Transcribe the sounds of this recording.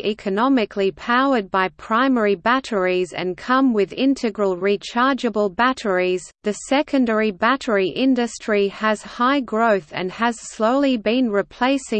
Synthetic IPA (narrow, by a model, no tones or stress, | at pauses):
ʔɛkʰɨnɑmɨkʰlipʰaʊə˞d̚baɪpʰɹ̥ãɪmɛɹibæɾə˞izɨ̰̃nkʰʌ̃mwɪðɪ̃ntʰɨɡɹəlˠɹit͡ʃʰɑɹd͡ʒɨbəlˠbæɾə˞izðɨsɛkɨ̃ndɛɹibæɾə˞iʔɪ̃ndɨstɹ̥iəz̥haɪɡɹoʊθɨ̰̃nəz̥sloʊlˠibĩnɹɨpʰl̥eɪsɪ̃